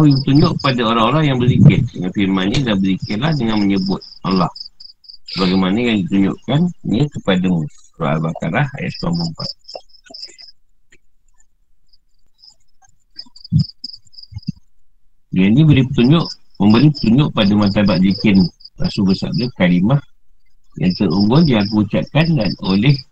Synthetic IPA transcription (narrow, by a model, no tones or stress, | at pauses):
awibət̪uɲd͡ʒʊʔəpadaoɾaŋolahjaŋbəlikɪt̪̚dəŋanfirmanɲadahbəlikɪlahdəŋanməɲəbʊt̪̚a̰lah | səbaɡajmanajaŋdit̪uɲd͡ʒʊ̰ʔkan̰əkəpadamuro̰a̰lbaka̰ɾaha̰ja̰ʔ̪sua̰mbumpa̰t̪̚ | danĩbəɾipət̪uɲd͡ʒʊʔ | məmbəɾipə̥t̪uɲʊʔpadamat̪̬abaʔ̪̚bikɪnla̰sulbəsa̰p̚dəkalimah | ja̰ŋt̪əɾuŋɡʊndiak̬əut͡ʃaʔ̚kandanolɛh